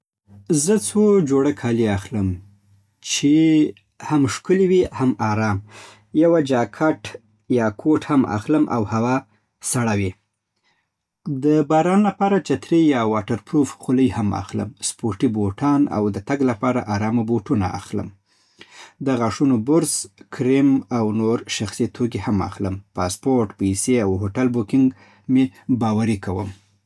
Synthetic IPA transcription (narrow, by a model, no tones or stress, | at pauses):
zət͡sʰod͡ʒoɽəkʰɑliaxləm | t͡ʃe | hamʃkəliwihamɑɾɑm | jawad͡ʒɑkʰaʈ | jɑkʰoʈhama̰xləmʔa̰whawɑ | saɽawi | d̪əbɑɾɑnlapɑɾat͡ʃat̪ɾejɑwɑʈaɾpɾofxʊləjhama̰xlə̰mspoɾʈiboʈʰɑna̰wd̪ət̪aɡlapɑɾa̰ʔaɾɑmaboʈuna̰ʔa̰xlə̰m | d̪əɣaʂunobʊɾzkɾemawnoɾʃaxsit̪ʰoɡehama̰xləmpɑspoɾʈpiseawɦoʈalbokɪŋɡ | mebɑwaɾikawəm